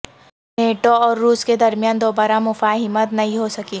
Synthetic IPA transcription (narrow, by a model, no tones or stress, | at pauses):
neːʈoɔːɾːuːsked̪ɐɾmijaːnd̪oːbaːɾamʊfaːɦɪmət̪nɐɦĩɦosɐkiː